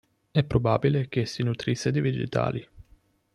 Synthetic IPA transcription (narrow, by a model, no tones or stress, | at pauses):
ɛpːɾobaːbilek̟esːinut̪ɾisːed̪ivid͡ʒḭt̪a̰ːli